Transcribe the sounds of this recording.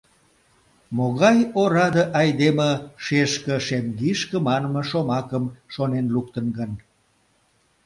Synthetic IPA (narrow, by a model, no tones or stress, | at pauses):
moɣɑjoɾɑd̪əʔɑjd̪eməʃeʃkə̆ʃemɡiʃkəmɑnəməʃomɑkəmʃonenluk̚t̪ənɡən